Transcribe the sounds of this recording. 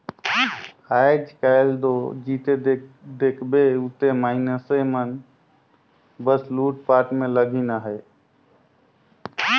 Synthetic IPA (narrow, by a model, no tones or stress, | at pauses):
ajd͡ʒkajld̪od͡ʒiːt̪ed̪ekʰbeut̪emaːɪnəsəmən | bəsluːʈ̚paːʈmẽləɡʱinaɦə